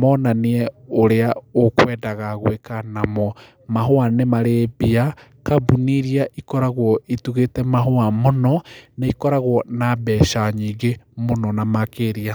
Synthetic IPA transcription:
mɔnaniɛoɾeaokwɛdaɣaɣwekanamɔ | maɦoanemaɾebia | kabuniɾiaʔikɔɾaɣwɔituɣetɛmaɦoamonɔnaikɔɾaɣwɔnabɛːʃaɲiɡemonɔnamakeɾia

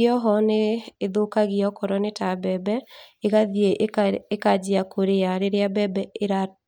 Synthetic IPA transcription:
ɔɦɔneːðokaɣiɔkɔɾɔnetabɛbɛeɣaðijeʔekad͡ʒiakʰoɾejaɾeɾeabɛbɛeɾa

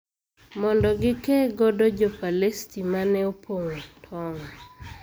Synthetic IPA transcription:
mɔndɔɡɪkɛɡɔdɔd͡ʒɔpalestimanɛopʰoŋotʰɔŋ

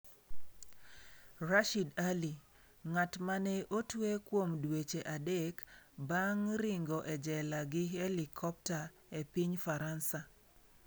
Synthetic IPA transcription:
raʃidali | ŋatmanɛʔotwekwomdwet͡ʃeʔadekbaŋɾiŋɡɔʔɛd͡ʒɛlaɡɪhelikʰɔp̚ta | epiɲfaɾansa

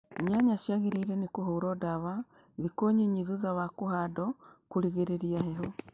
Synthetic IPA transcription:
ɲaɲaʃjaɣeɾeiɾɛnekoɦoːɾɔdaβa | ðikoɲeɲiðuðawakohadɔkuɾiɣeɾeɾiaɦeɦɔ

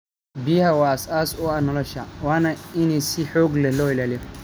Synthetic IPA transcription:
biːhɐwaːɐsaːsʊɐnɔlɔʃɐwaːnɐɪnɛsɪħɔːɡlɛlɔːɪlaːlɪjɔ

